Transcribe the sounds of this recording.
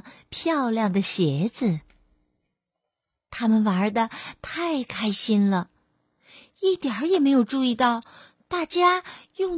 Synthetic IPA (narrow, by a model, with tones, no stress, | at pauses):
pʰjɑ˥˧ʊljɑ˥˩ŋd̪ə˩ɕjɛ˧˥t͡sɹ̩˧˦ | t̪ʰa˥mə˨nwɐ˧˥d̪ə˧t̪ʰa˥˩ɪkʰa˥ɪɕi˥nlə˨ | i˥˩t̪jə˨˩˥jɛ˨˩me˧˥ɪjo˨˩ʊʈ͡ʂu˥˧i˥˧t̪ɑ˥˧ʊ | t̪a˥˩t͡ɕja˥jʊ˥˩ŋ